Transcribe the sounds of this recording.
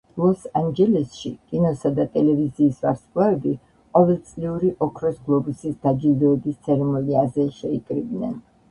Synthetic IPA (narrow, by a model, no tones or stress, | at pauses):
lˠɔsand͡ʒɛlɛsʃikʼinɔsad̪at̪ʼɛlɛviziːsvaɾskʼlaɛbi | qʼɔvɛlˠt̪sʼliuɾiʔɔkʰɾɔsɡlˠɔbusisd̪ad͡ʒild̪ɔɛbist̪sʰɛɾɛmɔliazɛʃɛikʼɾibnɛn